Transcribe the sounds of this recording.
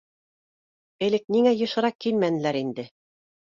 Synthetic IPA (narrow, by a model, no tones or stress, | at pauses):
ɘ̆lɘk̚niŋæjɤ̆ʃɤ̆ɾɑkːilmænɘ̆læɾind̪ɘ